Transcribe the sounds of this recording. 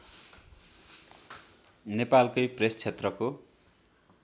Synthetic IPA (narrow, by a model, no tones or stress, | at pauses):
nepalkʌjprest͡sʰet̪rʌko